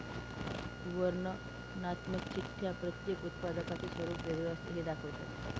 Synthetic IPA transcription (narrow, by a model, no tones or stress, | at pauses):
uʋəɾɳə | nat̪məkt͡ɕit̪ʰjapɾət̪jekut̪̚pad̪əkat͡ɕisʋəɾuːpʋəɾʋast̪əɦed̪akʰəʋt̪ḛ